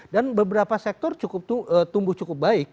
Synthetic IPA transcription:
danbəbəɾapasɛk̚t̪ɔrt͡ʃukʊp̪̚ət̪umbʊht͡ʃukʊp̚baɪk̚

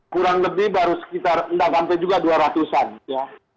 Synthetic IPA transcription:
kuɾaŋləbɪhbaɾusə̥kit̪arəndaʔksampɛjd͡ʒuɡaduaɾat̪usanja

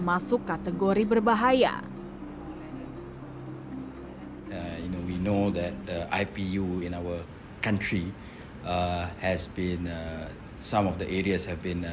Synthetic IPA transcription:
masʊkːat̪ɛɡoɾibərbaɦaja̰ | junowinod̪ɛt̚əʔa̰jpijuĩnawə | kãntɹi | hɛsbĩn | sãmɔfdəʔeɹiəshɛvbĩn

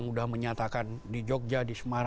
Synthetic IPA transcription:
ŋudahməɲat̪akandid͡ʒɔk̚d͡ʒadisəmaɾ

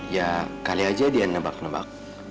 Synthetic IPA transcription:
jakaliad͡ʒadianːəbaknəba̰k̚

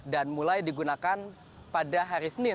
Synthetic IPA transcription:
danmulajdiɡunakan | padaɦaɾisənɪ

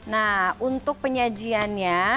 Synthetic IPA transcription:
naunt̪ʊk̚pəɲad͡ʒianɲa

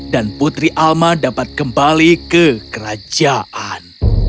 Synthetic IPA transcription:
danput̪ɾiʔalmadapat̪̚kəmbalikəkəɾad͡ʒaʔan

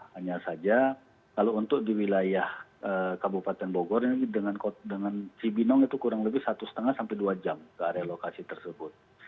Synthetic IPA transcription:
haɲasad͡ʒa | kalount̪ʊk̚diwilajahəkabupat̪ɛnboɡɔriidəŋankodəŋant͡ʃibinɔŋit̪ukuɾaŋləbɪhsat̪usə̥t̪əŋahsampɛduad͡ʒamkəaɾealokasit̪ərsəbʊt̪̚

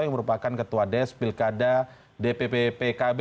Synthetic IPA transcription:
jaŋməɾupakankət̪uadɛspilkada | depepepekab

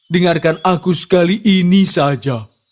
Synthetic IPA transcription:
dəŋarkanakusə̥kaliʔinisad͡ʒa

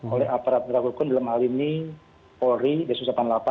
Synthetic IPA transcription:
olɛapaɾat̪̚rakukʊndalamɦalini | pɔɾidasusapanlapa

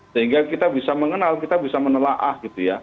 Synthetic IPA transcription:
səɦiŋɡakit̪abisaməŋənalkit̪abisamənəlaʔahɡit̪uja

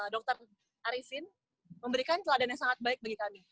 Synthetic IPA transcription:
dɔk̚t̪ər | aɾisɪn | məmbəɾikant͡ʃladanjaŋsaŋat̪̚baɪk̚baɡikami

